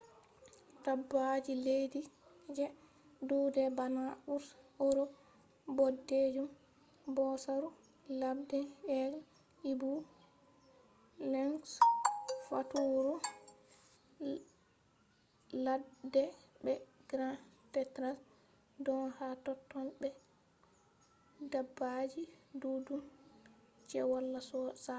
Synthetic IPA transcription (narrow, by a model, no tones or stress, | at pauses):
tabːad͡ʒiledi | d͡ʒɛ | dudɛbanaʔuɾsɔɾɔ | bɔded͡ʒum | bɔsaɾu | labdɛɛl | ibu | lɛŋs | fa̰tuɾu | ladɛbɛɡɾãtɛtɾas | dɔnhatɔtːɔnbɛ | dabːad͡ʒidudum | t͡ʃɛwɔlːasɔsa